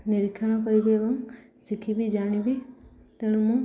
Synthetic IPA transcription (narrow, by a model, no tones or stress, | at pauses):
niɾikʰːjɔɽ̃ɔkɔɾibiebɔŋ | sikʰibid͡ʒaɽ̃ibi | t̪eɽ̃umuŋ